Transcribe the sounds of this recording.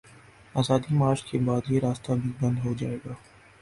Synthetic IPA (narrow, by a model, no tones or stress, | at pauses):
aːzaːd̪imaːɾt͡ʃkebaːd̪jeɾaːst̪abʱibɐ̃nd̪ɦod͡ʒaːeːɡaː